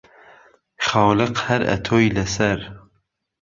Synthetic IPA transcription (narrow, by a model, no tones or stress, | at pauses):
χɑwlɨqhæɾæ̰t̪ʰojlæsæɾ